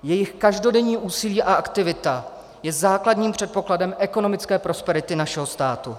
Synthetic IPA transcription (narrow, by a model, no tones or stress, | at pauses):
jɛjɪxkaʒdo̞dɛɲiːʔuːsɪliːʔaʔakt̪ɪvɪt̪a | jɛzaːkladɲiːmpr̥ɛt̪̚po̞kladɛmʔɛko̞no̞mɪt͡skɛːpɾo̞spɛɾɪt̪ɪnaʃɛɦo̞st̪aːt̪u